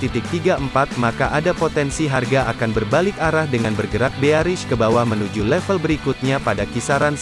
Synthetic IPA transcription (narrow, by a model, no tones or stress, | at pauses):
t̪it̪ɪk̚t̪iɡaəmpat̪̚makaʔadapot̪ɛnsiɦarɡaʔakanbərbalɪkaɾahdəŋanbərɡəɾak̚beaɾɪʃkəbawahmənud͡ʒulɛfəlbəɾikut̪̚ɲapadakisaɾan